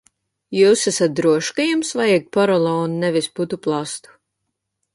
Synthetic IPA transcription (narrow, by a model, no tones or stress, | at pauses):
juːsæsat̪̚d̪ɾuɔʃkajumsvajɛɡ̚pɔɾɔlˠɔːnːɛvisput̪uplˠast̪u̥